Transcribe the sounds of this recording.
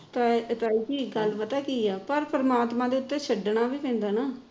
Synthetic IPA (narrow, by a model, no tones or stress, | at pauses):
t̪at̪aːiːkiːɡəlpət̪aːkiːɛːpəɾpəɾəmaːt̪mãːd̪eːʊt̪ːẽːt͡ʃʰəɖɳaːʋiːpɛ̃ːnd̪aːnaː